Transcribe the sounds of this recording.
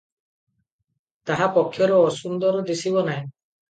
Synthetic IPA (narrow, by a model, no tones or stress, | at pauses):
t̪aɦapɔkʰːjɔɾɔɔsund̪ɔɾɔd̪isiβɔnaj